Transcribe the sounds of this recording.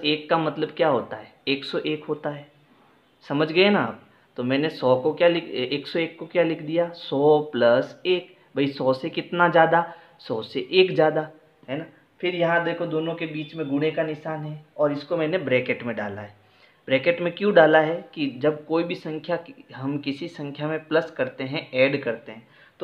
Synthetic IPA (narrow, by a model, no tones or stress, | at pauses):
eːkːamɐt̪ləbkjaːɦoːt̪aɦɛːeːksɔʔeːkɦoːt̪aɦɛː | sɐməd͡ʒʱɡɐenaə̰ːp̚ | t̪omɛ̃ːnesɔːkokjalɪkʰeːksɔeːkːokjalɪkʰd̪ijasɔːplɐseːk | bʱɐisɔːsekɪt̪nazjaːd̪a | sɔːseʔeːkzjaːd̪a | ɦɛːna | fʰɪɾjɐɦãd̪eːkʰod̪oːnõkebiːt͡ʃmẽɡʊɽ̃ekanɪʃaːnɦɛɔːɾɪskomɛ̃ːnebɾɛːkeʈmẽɖa̰ːla̰ɦɛː | bɾɛːkeʈmẽkjũɖaːlaɦɛkid͡ʒɐb̚koːibʱisɐ̃ŋkʰjakiɦɐmkɪsisɐ̃ŋkʰjamẽplɐskɐɾt̪eɦɛ̃ɛːɖkɐɾt̪eɦɛ̃ː | t̪o